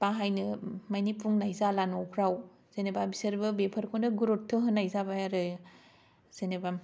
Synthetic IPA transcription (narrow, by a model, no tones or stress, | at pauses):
paɦajnɯmajnipʰuŋnajzalanowpʰɾaw | z̥enebabisɐɾbɯbepʰɐɾkʰondɯɡuɾotʰːɯɦɯnːajzabajaɾɯj | z̥enebam